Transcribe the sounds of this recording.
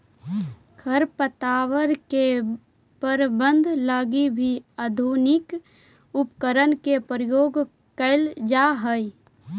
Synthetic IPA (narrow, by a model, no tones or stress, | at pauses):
kʰəɾpət̪aːwəɾke | pəɾbə̃nd̪ʱlaːɡibʱiəd̪ʱunɪk | ʊpkəɾənkepɾəjoːɡ | kəɪld͡ʒaɦəj